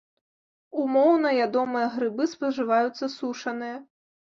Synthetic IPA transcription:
umɔwnɐjʲad̪ɔmɨjɐɣɾɨbɨspɐʐɨvajut̪sːɐsuʂɐnɨjɐ

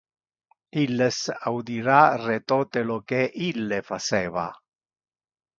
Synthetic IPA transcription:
ilːesawd̪iɾaret̪ɔːt̪elokeʔilːefat͡ʃɛːva̰

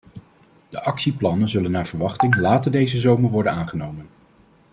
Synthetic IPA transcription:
d̥əʔɑksiplɑnənzɵlənːaːɹv̥əɹʋɑχtɪŋlaːtəɹdejzəzowməɹʋɔɹdənaːnχənowmən

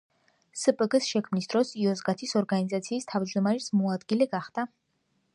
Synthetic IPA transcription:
səpʼɡəsʃɛkʰmnisd̪̥ɾɔsiɔzɡat̪ʰisɔɾɡanizat̪sʰiːst̪ʰavd͡ʒd̪ɔmaɾɛsmɔad̪ɡilɛɡaχd̪̥a

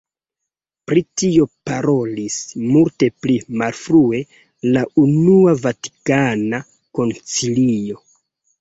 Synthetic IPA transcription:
pɾitio̞paɾo̞lismulte̞plimalfɾue̞ | launuavati̥kana | ko̞nt͡silio̞

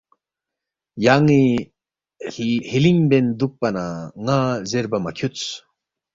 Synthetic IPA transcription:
jaŋi | hiliŋbend̪uk̚pɐnaŋazeɾbɐmɐkʰut͡s

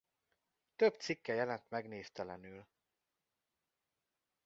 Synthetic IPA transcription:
t̪øbt̪sikːɛjɛlɛnt̪mɛɡneːst̪ɛlɛnyːl

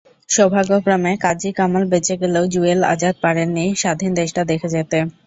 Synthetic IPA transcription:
ʃobʱaɡokɾamekad͡ʑikamalbet͡ɕʰeɡeleod͡ʑuela̰d͡ʑat̪̚paɽenːiʃad̪ʱind̪eʃʈad̪ekʰed͡ʑet̪e

